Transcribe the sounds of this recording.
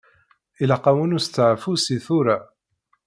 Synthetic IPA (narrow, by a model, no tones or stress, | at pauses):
ʔɪlaqɑwʊnʊst̪aʕfusiθuɾa